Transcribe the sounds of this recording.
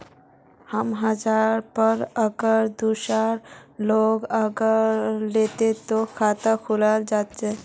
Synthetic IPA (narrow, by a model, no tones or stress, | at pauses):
həmɦəd͡ʒaɾpəɾəɡəɾd̪uʃaɾloɡəɡəɾlet̪et̪okʰat̪əkʰuləld͡ʒat̪t͡ʃʰɛ